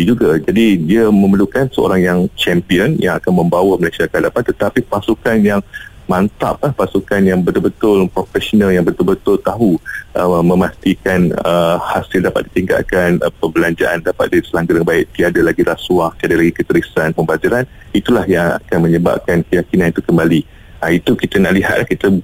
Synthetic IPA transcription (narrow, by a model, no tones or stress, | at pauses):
id͡ʒuɡad͡ʒadidiamə̃məlukansəo̰ɾaŋjaŋt͡ʃɛmpiənjaŋakanmə̃mbawaməlasiakəɦadapant̪ət̪apipasukanjaŋmant̪a̰p̚apasukanjaŋbət̪ʊlbət̪ʊlpɾofɛsonãljaŋbət̪ʊlbət̪ʊlt̪aɦuʔəmə̃mast̪ikanəhasɪldapa̰t̪̚dit̪iŋɡa̰ʔkanpəbəlaɲd͡ʒaʔandapat̪̚diisəlaŋɡaɾjaŋbaɪʔ̚t̪iadalaɡiɾasuaht̪iadalaɡikət̪əɾisanpəmbat̪iɾan | it̪ulahjaŋa̰kanmə̃ɲəba̰p̚kankəjakinãnit̪ukəmbali | ʔait̪ukit̪ənaʔliɦa̰t̪lʔahkit̪ə